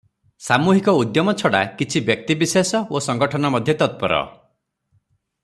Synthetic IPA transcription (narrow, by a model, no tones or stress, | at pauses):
samuɦikɔud̪jɔmɔt͡ʃʰɔɽa̰kit͡ʃʰibjɔk̚t̪ibisesɔosɔŋɡɔʈʰɔnɔmɔd̪ʱjɔt̪ɔt̪̚pɔɾɔ̰